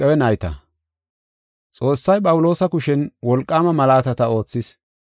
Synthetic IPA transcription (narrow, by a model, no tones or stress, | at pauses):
ɛwɛnɐjt̪ɐ̰ | t͡sʼo̞ːsːɐjpʼɐwʊlo̞ːsɐkʊʃɛnwɔlkʼːaːmɐmɐlaːt̪ɐt̪ɐo̞ːt͡sːɪs